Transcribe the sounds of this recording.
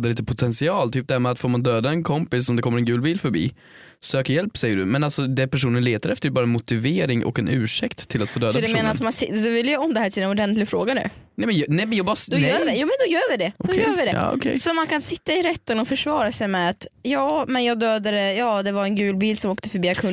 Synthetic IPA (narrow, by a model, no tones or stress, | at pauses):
d̪əliːt̪əpʰʊt̪ʰɛnsɪɑːlt̪ʰyːp̚d̪ɛæːɾmɛat̪foːɾmand̪øːd̪aɛnkʰɔmpɪsɔmd̪ɛkʰɔmːəɾɛnɡʉːlbiːlfœɾbḭː | søːkəɾjɛlpsɛjːəɖɵ̰mɛnalsɔd̪ɛpʰæʂuːnənleːt̪aɾɛft̪əɾbɑːɾaɛnmʊt̪ɪveːɾɪŋʔɔ̰kɛnʔʉ̟ːʂɛkt̪ʰːɪlat̪foːd̪øːd̪ad̪ɛeːnaɾat̪mansɪdɔvɪlːjaɔmd̪ɛhæːʈʰɪlɛnɔɖɛnt̪lɪɡfɾoːɡanʉ̰nɛmɛnnɛmɛnjɑːbɑd̪øːɪjuːmɛnd̪ɔjøːɾvɪd̪ɛɔd̪kɛjøvɪd̪ɛɑ̰ːɔ̰kʰɛ̰sɔmankʰansɪt̪ːaɪɾɛt̪ːənɔfœʂvɑːɾasɛjmɛat̪jɑːmɛnjɑːɡd̪øːd̪aɾɛjɑːd̪ɛvaɾɛnɡʉ̟ːlbiːlsɔmoːkt̪əfœɾbiːakʰɵn